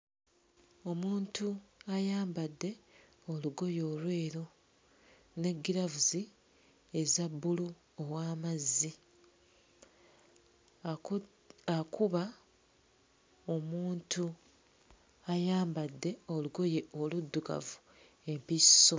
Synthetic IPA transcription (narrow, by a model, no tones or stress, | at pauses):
o̞muːntuajaːmbadːe̞ | o̞luɡo̞jo̞ːlwe̞ːɾo | ne̞ɡːiɾavuzi | ezabːulu | owaːmazːi | akuβa | o̞muːntu | ajaːmbadːe̞o̞luɡo̞je̞o̞ludːuka̰vu | e̞mpisːo